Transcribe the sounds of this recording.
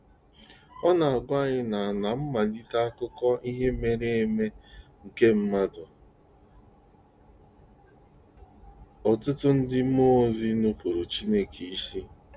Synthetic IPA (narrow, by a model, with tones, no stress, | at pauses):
ɔ˦na˨a˨ɡʷa˦˨ɲɪ˦na˨a˨na˨m̩˦ma˨di˦ta˦a˦kʊ˦kɔ˦ʔi˦ɦe˦me˨ɾe˦e˦me˦ŋ̩˨ke˦m̩˦ma˦dʊ˨ | ɔ˨tʊ˦tʊ˦n̩˦dɪ˦mo˦zi˦nu˦pu˨ɾu˨t͡ʃi˦ne˦kʰi˨i˦si˦